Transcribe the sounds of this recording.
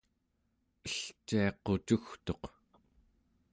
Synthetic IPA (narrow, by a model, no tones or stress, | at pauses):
əɬt͡ʃiɑqot͡ʃuxt̪o̞q